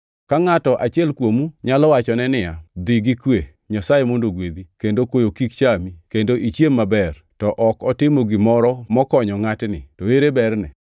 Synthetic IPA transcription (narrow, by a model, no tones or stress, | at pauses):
kaŋatɔʔat͡ʃjɛlkwomuɲalɔwat͡ʃɔnɛnɪjad̪ɪɡɪkwe | ɲasajemondoɡwed̪ikendokojokikt͡ʃamikendoʔit͡ʃjemːabɛr | tɔʔɔkɔtɪmoɡɪmɔɾɔmɔkɔɲɔŋatnɪ̰toeɾebɛrnɛ̰